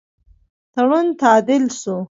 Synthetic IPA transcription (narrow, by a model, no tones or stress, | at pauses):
t̪aɽunt̪ɑːd̪ɪlsu